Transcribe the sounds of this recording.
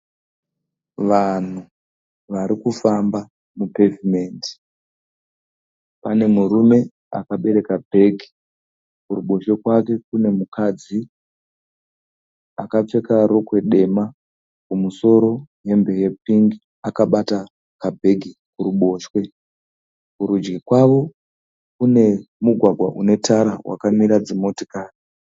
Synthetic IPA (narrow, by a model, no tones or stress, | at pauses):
ʋan̤u | ʋaɾikufamba | mupe̞vime̞ːndi̥ | pane̞muɾume̞ | a̰kaɓe̞ɾe̞kabʱe̞ɡʱi | kuɾuɓo̞ʃe̞kwake̞kune̞mukʰad͡zi | akap͡fe̞kaɾo̞kwe̞ɗe̞ma | kumuso̞ɾo̞je̞mbe̞je̞piŋɡi | akaɓata | kabʱe̞ɡʱi | kuɾuɓo̞ːʃwe̞ | kuɾud͡ʒɡikwaʋo̞ | kune̞muɡʱwaɡʱwaʔune̞tʰaɾawʔa̰kamiɾad͡zimo̞tikaːri